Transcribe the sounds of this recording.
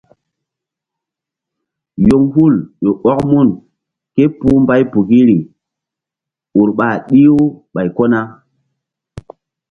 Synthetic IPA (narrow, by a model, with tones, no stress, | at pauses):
jo˦ŋhu˦˨ljo˨ɓɔ˦kmu˦˨n | ke˦pu˦mba˦jpu˨ki˦ɾi˨ | u˨ɾɓa˨ɗi˦o˦ɓa˨jko˦na˦